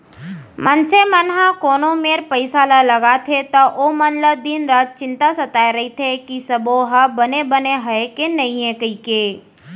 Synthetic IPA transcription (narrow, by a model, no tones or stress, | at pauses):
mʔənsemənɦakoːnomeːɾpəɪsalaləɡat̪ʰet̪ɔʔomənləd̪iːnɾad͡ʒt͡ʃɪ̃nt̪asət̪aːeɾɐɦit̪ʰekisɐboɦabənebəneɦəekenɐɦĩɦɛ̃kəikeː